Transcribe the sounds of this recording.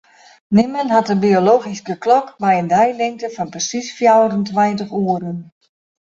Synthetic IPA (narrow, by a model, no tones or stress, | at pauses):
nɪmənɦatəbioloːɣiskəklɔkbɛjəndɛjlɪŋ̚təfɔnprəsisfjawdəntʋɛjntəχuəɾən